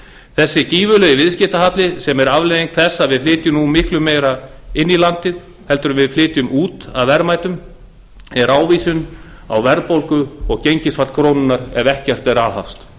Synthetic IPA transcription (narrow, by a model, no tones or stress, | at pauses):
θɛsːɪciːvʏlœjɪvɪðscɪht̪aɦat̪lɪsɛmɛɾavleðiŋkθɛsːaðvɪðflɪːt̪jʏnumɪhklʏmːeːjɾaɪnːilant̪ɪð | hɛl̪t̪ʏɾʏmvɪðflɪːt̪jʏmuːt̪aðvɛɾmaːjt̪ʏm | ɛɾaːwviːsʏn | a̰wvɛɾpowlkʏɔɣcejɲcɪsvaɾ̥kʰɾownʏnːaɾɛvɛhcɛr̥t̪ɛɾaːwha̰fst̪